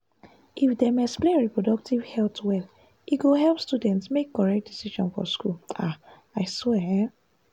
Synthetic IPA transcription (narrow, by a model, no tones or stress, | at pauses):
ʔifdemɛspleɹipɹɔdɔk̚tivhɛltwɛl | ʔiɡoɦɛlˠpstudɛ̃ntsmekːɔɹɛk̚t̚d̥isiʃɔ̃nfɔ̰skula | aɪswɛ